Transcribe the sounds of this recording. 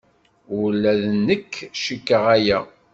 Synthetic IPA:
ulːæðnːəkːʃəkːəʁæjæ

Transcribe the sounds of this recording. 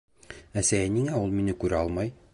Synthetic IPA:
æsæjæniŋæulˠminɘkʉɾæɒlˠmɑj

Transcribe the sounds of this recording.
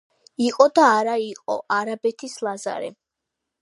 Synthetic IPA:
iqʼɔd̪aːɾaiqʼɔ̰ʔaɾabɛt̪ʰislˠaza̰ɾɛ̰

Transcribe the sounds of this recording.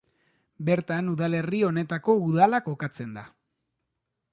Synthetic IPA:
be̞ɾt̪anuðale̞rio̞ne̞t̪ako̞uðalako̞kat͡se̞nd̪a

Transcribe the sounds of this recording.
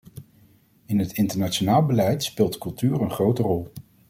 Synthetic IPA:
ɪnɦətɪntəɹnat͡ʃonaːlˠbəlɛjtspɪːlˠtkɵlˠtyːɹənχrowtərɔlˠ

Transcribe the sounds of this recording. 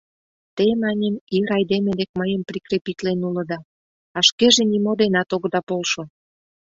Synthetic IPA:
t̪emɑnʲəmiɾɑjd̪emed̪ek̚məjəmpɾikɾepit̪lenulə̆d̪ɑ | ɑʃkeʒenimod̪enɑt̪oɣd̪ɑpolʃo

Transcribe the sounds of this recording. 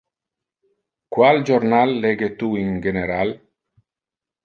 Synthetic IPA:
kwald͡ʒoɾnalːeɡet̪uiŋɡeneɾal

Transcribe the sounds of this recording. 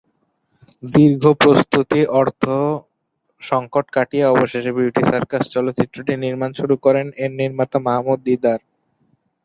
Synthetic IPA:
d̪iɾɡʱopɾost̪ut̪iʔɔɾt̪ʰo | ʃɔŋkoʈkaʈieɔboʃeʃebjuʈisaɾkast͡ɕɔlot̪ːt͡ɕit̪ːɾoʈiniɾmanʃuɾukɔɾeneɾniɾmat̪amaɦamud̪̚ːid̪aɾ

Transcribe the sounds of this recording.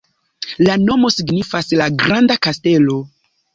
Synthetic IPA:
lano̞mo̞siɡnifaslaɡɾandakaste̞lo̞

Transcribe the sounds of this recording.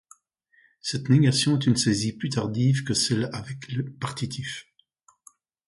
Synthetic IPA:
sɛt̪neɡasjɔ̃ɛt̪ynseziplyt̪aʁd̪ivkəsɛlavɛkləpaʁt̪it̪ʰif

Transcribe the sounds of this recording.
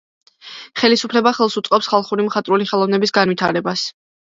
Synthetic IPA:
χɛlisupʰlɛbaχɛlˠsut̪sʼqʼɔpsχalˠχuɾimχat̪ʼɾuliχɛlˠɔvnɛbisɡanvit̪ʰaɾɛbas

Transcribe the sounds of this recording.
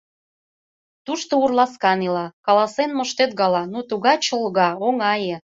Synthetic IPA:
t̪uʃt̪ourlɑskɑnilɑkɑlɑsenməʃt̪et̪ɣɑlɑnut̪uɣɑt͡ɕəlˠɣɑoŋɑjĕ

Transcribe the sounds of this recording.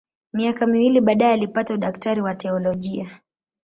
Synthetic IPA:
miakamiwiliɓaːɗaɛalipatauɗaktaɾiwatɛɔlɔʄia

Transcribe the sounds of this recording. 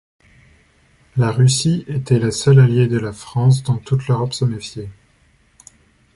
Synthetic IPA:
laʁysiet̪ɛlasalaljed̪əlafχɑ̃s̬d̪ɔ̃t̪ut̪løʁɔpsəmefje

